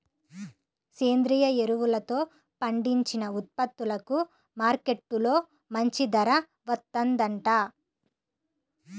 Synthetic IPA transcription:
seːnd̪ɾijɐeɾuʋulɐt̪o̞ː | pɐɳɖiɲt͡ʃinɐut̪̚pɐt̪ːulɐku | maːɾke̞ʈːulo̞ː | mɐɲt͡ʃid̪ɐɾɐ | ʋɐt̪ːɐnd̪ɐɳʈaː

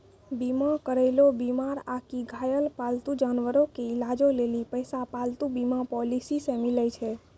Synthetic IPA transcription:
bimãkəɾeɪlobimaɾakiɡʱajəlpalt̪ũd͡ʒanʋəɾokeɪlad͡ʒolelipəjsapalt̪ũbimãpɔlisisemiləjt͡ʃʰe

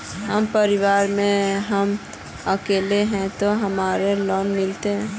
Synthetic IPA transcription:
ɦəmpəɾɪwaːɾmẽɦəm | əkeːleɦɛ̃t̪oɦəmaːɾelɔːnmɪlt̪eɦɛ̃ː

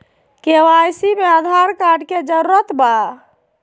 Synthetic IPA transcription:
kewajsimead̪ʱaɾkaɖked͡ʒəɾuɾət̪ba

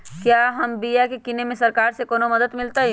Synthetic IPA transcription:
kjaːɦɐmbijakekɪnemẽsɐɾkaːɾsekoːnomɐd̪əd̪mɪlt̪aɦɛ

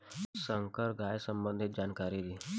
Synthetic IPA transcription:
səŋkəɾɡʱajsəmbənd̪ʱit̪̚d͡ʑankaɾid̪i

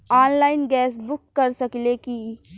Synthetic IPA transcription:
aːnlaːɪnɡɛːsbʊkːəɾsəkleki

